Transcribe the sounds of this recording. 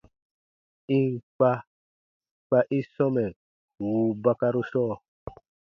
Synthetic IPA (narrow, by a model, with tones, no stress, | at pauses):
i˦ŋk͡pa˦ | k͡pa˦ʔi˦sɔ˦mɛ˨ | wu˨ba˦ka˦ɾu˦sɔ˦˨